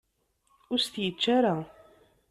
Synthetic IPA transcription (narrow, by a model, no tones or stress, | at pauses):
ʊɾst̪jət͡ʃːaɾa